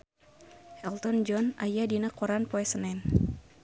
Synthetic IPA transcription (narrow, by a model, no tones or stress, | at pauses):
hɛlt̪ɔnd͡ʒɔnajadinakɔɾanpoɛsənɛn